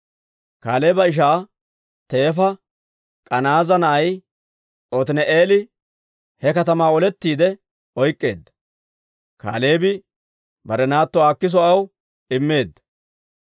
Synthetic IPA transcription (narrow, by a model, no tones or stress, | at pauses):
kaːleːbɐɪʃ̬aː | t̪e̞ːfɐ | kʼɐnaːzɐnɐʔɐj | ɔt̪ɪnɛʔeːlɪ | hɛkɐt̪ɐmaːɔlɛt̪ːiːd̪ɛ | ɔjkʼːe̞̰ːd̪ːɐ̥ | ka̰ːle̞ːbɪ | bɐɾɛnaːt̪ːɔaːkːɪs̬ɔɐw | ɪmːe̞ːd̪ːɐ̥